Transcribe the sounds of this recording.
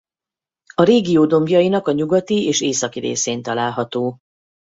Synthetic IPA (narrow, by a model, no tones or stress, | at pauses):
ɒɾeːɡioːd̪o̞mɡjɒjinɒkɒɲuɡɒt̪ieːʃeːsɒkiɾḛːseːnt̪ɒlaːlɦɒt̪oː